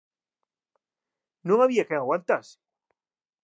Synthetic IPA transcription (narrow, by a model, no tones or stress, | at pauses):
nũŋaβiakeŋaɣwant̪ase̥